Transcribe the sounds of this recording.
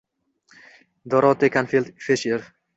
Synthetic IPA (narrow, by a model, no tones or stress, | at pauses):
d̪ɔɾɒt̪ekanfilt̪feʃeɾ